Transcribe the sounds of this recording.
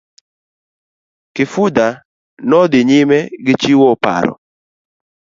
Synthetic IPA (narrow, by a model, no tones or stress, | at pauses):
kɪfud̪a | nɔd̪ɪɲɪmɛɡɪt͡ʃiwɔpa̰ɾɔ̰